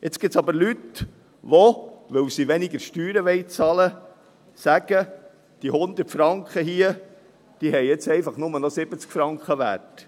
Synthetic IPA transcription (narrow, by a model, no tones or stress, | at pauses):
ʔet͡sɡ̥ɪtt͡sɑbəɾlyt̪ | ʋɔʋɵwsiʋɛnɪɡəɾʃtyːɾəʋɛɪt͡sɑlə | sæɡ̥ə | d̥ihʊnd̪ətfɾɑŋkχəɦiə | d̥iɦɛjet͡sɛɪfɑχnʊmənɔsɪb̥ət͡skfɾɑŋkχəʋæ̰rt